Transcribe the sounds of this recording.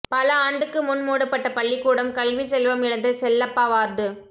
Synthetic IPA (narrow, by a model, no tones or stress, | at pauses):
pɐlɐaːɳɖɯkːɯmʊnmuːɽɐpːɐʈːɐpɐɭːikːuːɽɐmkɐlʋisɛlʋɐmɪɽɐnd̪ɐsɛlːɐpːaːʋaːɾɖɯ